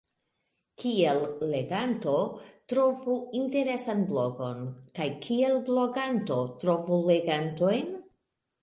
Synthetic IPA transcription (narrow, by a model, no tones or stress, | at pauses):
kielːe̞ɡanto̞tɾo̞vuinte̞ɾe̞sanblo̞ɡo̞̰nkajkʰie̞lblo̞ɡanto̞tɾo̞vule̞ɡanto̞jn